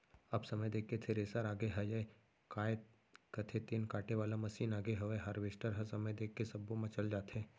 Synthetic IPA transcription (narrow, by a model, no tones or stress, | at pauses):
ɐbsɐməjd̪eːkːet̪ʰeɾeːsəɾaːɡeɦɐjəe | kaːet̪̚ | kɐt̪ʰet̪inkaːʈeʋaːlamɐsiːnaːɡeɦɐʋeɦɐɾʋeʃʈəɾɦɐsɐməjd̪eːkʰːesɐbːõmãt͡ʃɐld͡ʒaːt̪ɦɛ̃ː